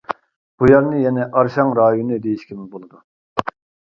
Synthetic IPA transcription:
b̥ujɑɾnɨjɛnɛʔɑɾʃɑŋɾɑːjonɨd̪ejiʃkʲʰimɪbolˠɨd̪u

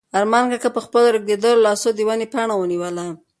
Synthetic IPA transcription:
aɾmɑnkakapəxpəloɾəɡ̚d̪ed̪əlolɑsod̪əwanepaɳawəniwəla

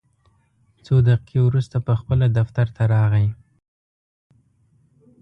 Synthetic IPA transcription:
t͡sod̪aqkʰewɾust̪apəxpəlad̪aft̪aɾt̪aɾɑɣaj

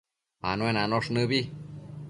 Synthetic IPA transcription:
a̰nũenanoʂnɨ̃βi

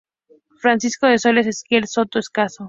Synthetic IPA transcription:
fɾansiskoðesoles̬eskjelsot̪oeskaso

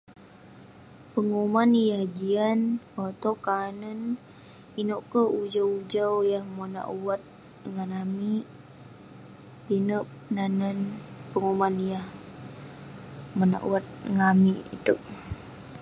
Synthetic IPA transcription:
pəŋumanjahd͡ʒianot̪okanən | inoʔkəud͡ʒawud͡ʒawjahmona̰ʔuwat̪̚ | ŋanami | tinəp̚ | nanənpəŋumanjah | mona̰ʔṵwat̪̚ŋamiʔḭt̪əʔ

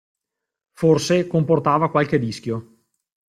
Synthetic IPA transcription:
forsekomport̪aːvakwalked̪isk̟jo

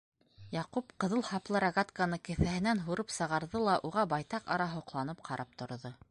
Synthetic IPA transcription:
jɑqupqɤ̆ðɤlˠhɑplˠɤɾaɡat̪kanɤkɘ̆θæɦɘ̆nænɦuɾɤpsɤ̆ʁɑɾðɤlˠɑʔuʁɑbɑjt̪ɑqɑ̰ɾɑɦŏqlˠɑnɤpqʰɑɾɑp̚t̪ŏɾðɤ

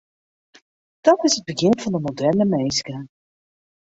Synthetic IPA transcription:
d̥ɔtɪsəd̚bəɣɪnvɑndəmodɛrnəmejskə

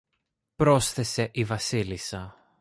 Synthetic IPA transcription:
pɾo̞sθe̞se̞ʔivɐsilisɐ

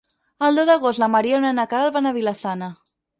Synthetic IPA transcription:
əlˠd̪ozðəɣost̪lamaɾionənakaɾalˠβanaβilasanə

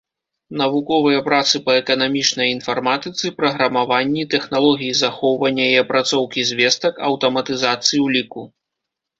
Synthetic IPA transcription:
nɐvukɔvɨjɐpɾat̪sɨpɐɛkɐnamʲit͡ʂnɐjinfarmat̪ɨt̪sɨpɾɐɣɾɐmavanʲːit̪ɛxnalˠɔɣʲijizaxɔwvɐnʲːɐjɛpɾʔat̪sɔwkʲizʲvʲɛst̪ɐkɐ̰wt̪ɐmɐt̪ɨzat̪sɨjiwlʲiku

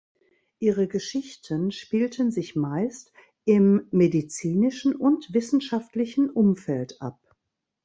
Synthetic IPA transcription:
ʔiːʁəɡəʃɪçtʰənʃpiːltənzɪçmaɪst | ʔɪmːedit͡siːnɪʃn̩ʔʊntv̥ɪsn̩ʃaftlɪçn̩ʔʊmfɛltʔa̰p̚

